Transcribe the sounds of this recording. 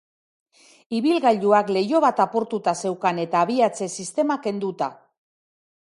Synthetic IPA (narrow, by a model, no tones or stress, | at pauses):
iβilɣaʎuakle̞jo̞β̞at̪apo̞ɾt̪ut̪ase̞wkane̞t̪aːβ̞iat͡se̞sist̪e̞make̞nd̪ut̪a